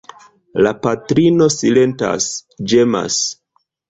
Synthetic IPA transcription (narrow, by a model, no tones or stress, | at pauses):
lapatɾino̞sile̞nta̰sd͡ʒe̞ma̰s